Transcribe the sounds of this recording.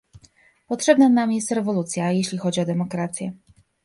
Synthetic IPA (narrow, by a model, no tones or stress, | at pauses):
pɔtʂɛbnanamjɛst̪ɾɛvɔlut̪sʲjajeɕlʲixɔd͡ʑiɔd̪ɛmɔkɾat̪sʲjɛ